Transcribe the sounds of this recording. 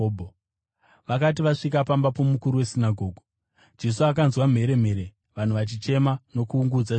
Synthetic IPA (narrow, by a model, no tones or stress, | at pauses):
bʱo | ʋakat̬iʋaʂik̬apambapo̞mukuɾiwe̞sinaɡʱo̞ːɡʱo | d͡ʒe̞suak̬anzwam̤e̞ɾe̞m̤e̞ɾe | ʋan̤uʋat͡ʃit͡ʃe̞mano̞kuːŋɡud͡za